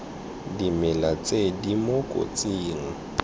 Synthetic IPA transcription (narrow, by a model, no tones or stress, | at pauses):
dimɛlat͡sʼedimokʼo̰t͡sʼiːŋ̩